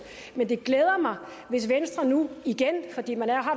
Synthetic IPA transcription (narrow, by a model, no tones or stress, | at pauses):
mend̥e̝ɡ̥leːð̞ˠɐmɑ̈ɪ | ʋe̝sʋensd̥ʁɐnuiɡ̥enfɒ̽d̥ḭːmænæɐɦɑ̈